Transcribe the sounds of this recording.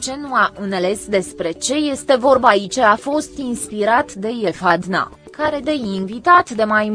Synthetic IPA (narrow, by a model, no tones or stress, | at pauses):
t͡ʃe̞nuaʔɨnele̞sd̪e̞spɾe̞t͡ʃe̞je̞st̪e̞vo̞rbait͡ʃafo̞st̪inspiɾat̪d̪e̞jefad̪na̰ | kaɾe̞d̪e̞invit̪at̪d̪e̞majm